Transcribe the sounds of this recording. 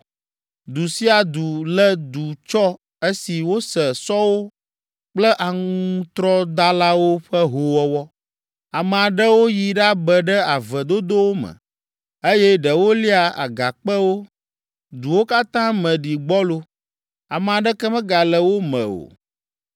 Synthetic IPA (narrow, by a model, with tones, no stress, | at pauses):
d̪u˨si˦a˨d̪u˨lə˦d̪u˨t͡ʃɔ˦ | e˦si˨wo˦sə˨sɔ˦wo˦ | k͡plə˦ʔa˨ŋũ˦t̪ɾɔ˦d̪a˦la˦wo˦ɸə˦ɦo˨wɔ˦wɔ˦ | a˨mɛ˨a˨ɖə˦wo˦ji˨ɖa˦bə˨ɖɛ˦a˨və˨d̪o˦d̪o˦wo˦mə̰˨ | e˦jɛ˦ɖə˨wo˦li˦a˨a̰˨ɡa˨k͡pə˦wo˦ | d̪u˨wo˦ka˦t̪ã˦mə̃˨ɖi˨ɡ͡bɔ˦lo˦ | a˨m˨a˨ɖə˦kɛ˦mɛ̃˦ɡa˨lə˨wo˦mə̰̃˨o̰˨